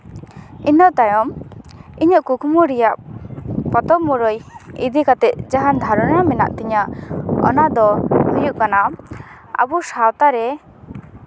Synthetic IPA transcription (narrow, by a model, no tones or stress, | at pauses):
inɔʔt̪ajɔm | iɲəʔkukʰmuɾijaʔ | pɔt̪ɔmːuɾɔjḭd̪ikat̪ɛt̪̚d͡ʒaɦand̪ʱaɾɔnamɛna̰ʔt̪ɛɲaʔɔ̰nad̪ɔhɔjuʔkana | a̰busawt̪aɾɛ